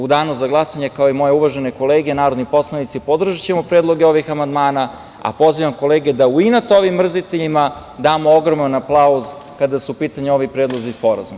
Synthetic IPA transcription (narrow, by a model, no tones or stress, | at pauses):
ud̪aːnuzaɡlˠasaɲe̞kaoimo̞jeuʋaʒene̞ko̞leːɡenaːɾo̞d̪nipo̞slˠanit̪sipo̞d̪r̩ʒat͡ɕemopɾeːd̪lˠo̞ɡeo̞ʋixamand̪maːna | a̰po̞ziʋamko̞leːɡed̪auinat̪o̞ʋimːr̩zit̪eʎima | d̪aːmooɡɾo̞manaplˠauz | kad̪asupiːt̪aɲeo̞ʋipɾeːd̪lˠozispo̞ɾa̰zum